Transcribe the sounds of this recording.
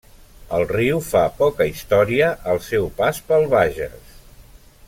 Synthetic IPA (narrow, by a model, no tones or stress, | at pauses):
əlˠriwfapɔkəist̪ɔɾiəʔəlˠsɛwpaspəlˠβaʒə̰s